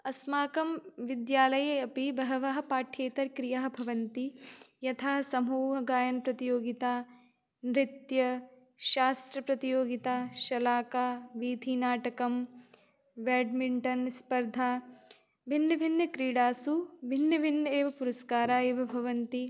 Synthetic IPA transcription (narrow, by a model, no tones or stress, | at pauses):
ɐsmaːkɐmʋid̪jaːlɐjɐɐpibɐɦɐʋɐɦɐ̆paːʈʰeːt̪ɐɾkɾijaːɦɐ̆bʱɐʋɐnt̪ijɐt̪ʰaːsɐmuːɦɐɡaːjɐnɐpɾɐt̪ijoːɡit̪aː | nɾɪt̪jɐ | ʃaːst̪ɾɐpɾɐt̪ijoːɡit̪aːʃɐlaːkaːʋiːd̪ʱiːnaːʈɐkɐm | ʋeːɖmiɳʈɐnspɐɾd̪ʱaː | bʱinːɐbʱinːɐkɾiːɽaːsubʱinːɐbʱinːɐeːʋɐpuɾɐskaːɾaːeːʋɐbʱɐʋɐnt̪i